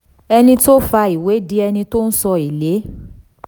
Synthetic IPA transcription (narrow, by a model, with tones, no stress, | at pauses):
ɛ˧nĩ˧to˦fa˧i˨we˨˦di˦ɛ˧nĩ˧to˦n̩˦sɔ˧i˨le˨˦